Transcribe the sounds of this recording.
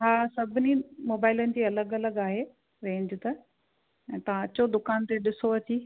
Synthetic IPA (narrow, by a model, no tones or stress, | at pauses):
ɦaːsɐbʱɪnimoːbaːɪlənɪ̆d͡ʑiːɐləɡɐləɡaːɦe | ɾẽːɲd͡ʑʊt̪ɐ | ɛ̃ːt̪ɐʋ̤ãɐt͡ɕod̪ʊkaːnt̪eɗɪsoɐt͡ɕiː